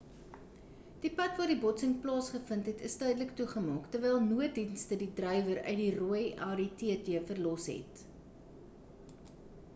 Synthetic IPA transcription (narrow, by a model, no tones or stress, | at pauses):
d̥ipɐtvɑːrdibɔtsəŋplɑːsχəfəntɦɛtəstœɥdələktuχəmɑːktərvɛjlˠnuət̚dinstədidrœjvəɾœ̰ɥdiruəjɑːɾitiətiəfərlɔsɦɛ̰t